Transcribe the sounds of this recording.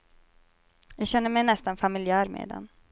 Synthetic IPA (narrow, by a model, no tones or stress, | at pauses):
jaɡɕɛnːəɾmɛjnɛst̪anfamɪlɪæːɾmḛːd̪ɛ̰n